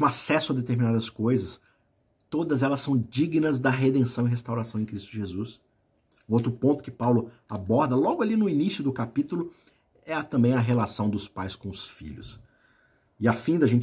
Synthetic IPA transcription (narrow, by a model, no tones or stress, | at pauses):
ũasɛsʊɐd̪et̪eɾminad̪ɐskojzɐs | t̪od̪ɐzɛlɐsːɐ̃w̃d͡ʒiɡnɐzd̪ɐɦed̪ẽsɐ̃w̃ɪiɦest̪awɾasɐ̃w̃ẽkɾist̪ʊʒezus | ũowt̪ɾʊpõnt̪ʊ̥kɪpawlʊ | abɔɾd̪ɐlɔɡʊalinʊinisjʊd̪ʊkapit̪ʊlʊ | ɛɐt̪ɐ̃mbẽj̃ɐɦelasɐ̃w̃d̪ʊspajskõʊsfḭʎʊ̰s | ɪafĩd̪ɐʒẽt͡ʃ